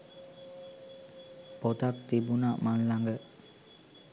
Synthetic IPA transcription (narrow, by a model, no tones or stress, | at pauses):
pot̪ak̚t̪ibunaʔmanlaŋɡə